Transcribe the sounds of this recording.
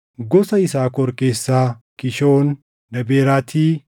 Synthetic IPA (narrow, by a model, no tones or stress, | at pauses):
ɡɔsɐɪsaːkɔɾke̞ːsːaːkɪʃoːn | d̪ɐbeːɾaːt̪ʰiː